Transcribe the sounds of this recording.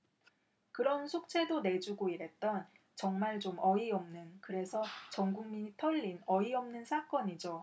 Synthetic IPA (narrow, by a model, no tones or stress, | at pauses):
kɯɾʌnsʰok̚t͡ɕ͈ʰe̞done̞d͡ʑuɡoiɾe̞t̚t͈ʌn | t͡ɕʌŋmaɭt͡ɕomʌiʌmnɯnkɯɾe̞sʰʌt͡ɕʌŋɡuŋmitʰʌʎːinʌiʌmnɯnsʰak͈ʌɲid͡ʑo